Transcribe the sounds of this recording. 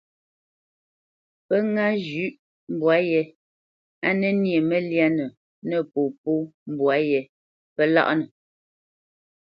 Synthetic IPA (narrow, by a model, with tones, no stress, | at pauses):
pə˦ŋa˦d͡ʒʉ˦ʔ | m̩˦bwa˨˦jɛ˦ | a˦nɛ˦nje˨mə˦lja˦nə˨ | nə˦˨po˨p̚o˦m˦˨bwa˨˦jɛ˨ | pə˦la̰˦ʔnə˨